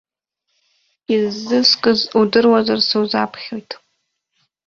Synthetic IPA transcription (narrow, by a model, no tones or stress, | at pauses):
ɪzːɨskʼɨzudɨrwɐzɐrsɨwzaːpʰχʲojtʰʼ